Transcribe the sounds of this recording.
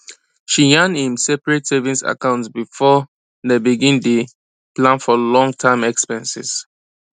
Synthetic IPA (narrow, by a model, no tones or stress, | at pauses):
ʃijãnĩmsɛpəɹetsɛvĩnsa̰kãʊ̃ntsbifɔ | dɛbiɡĩnde | plãnfɔlɔ̃ŋtʰãɪ̃mɛkspɛ̃nsḭs